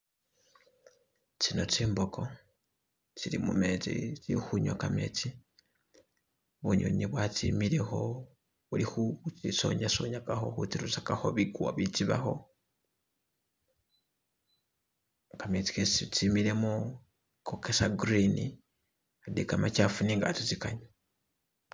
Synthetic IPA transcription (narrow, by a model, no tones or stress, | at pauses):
t͡sino̞t͡siːmboko̞ | t͡siɾimumet͡sḭt͡sixuɲokamet͡si | βuɲo̰ɲiβwat͡sḭmiɾe̞xo̞ | βulixut͡siso̞̰ɲasoɲakaxo̞̰xut͡siɾusakaxo̞βikuwaβit͡siβaxo̞ | kamet͡si̥ket͡sit͡simiɾe̞mu | kʰokesaɡuɾini | adikamacafuniŋɡa̰t͡sit͡sikaɲo